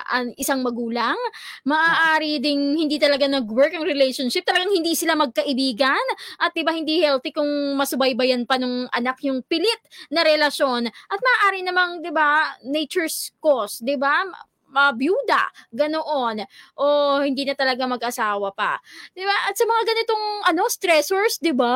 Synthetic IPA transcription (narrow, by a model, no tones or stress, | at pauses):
ʔɐŋʔɪsaŋmɐɡuːlɐŋmɐʔaːʔaːɾid̪ɪnhɪnd̪iːt̪ɐlɐɡanɐɡwɛɹkɐŋɾɛlɛjʃonʃɪp̚t̪ɐlɐɡaŋhɪnd̪iːsɪlamɐɡ̚kɐʔɪbiːɡɐnʔɐt̪̚d̪ɪbahɪnd̪iːhɛlt̪ikʊŋmɐsʊbajbɐjanpɐnoŋʔɐ̰nak̚jʊŋpɪlɪt̪̚nɐɾɛlɐʃo̞nʔɐt̪̚mɐːʔaːɾɪnɐmaŋd̪ɪbanɛjt͡ʃɛɹskosd̪ɪba | mɐbjuːd̪ɐ̰ɡɐnoʔo̞nʔohɪnd̪iːnɐt̪ɐlɐɡamɐɡʔɐsaːwɐpɐ̰d̪ɪbaʔɐt̪sɐmɐŋaɡɐnɪt̪o̞ŋʔɐno̞st̪ɾɛsoɹsd̪ɪba